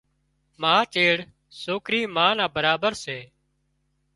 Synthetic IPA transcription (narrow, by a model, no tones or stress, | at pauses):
mãːt͡ʃeːɽ | soːkɾiːmãːnãːbəɾaːbəɾseː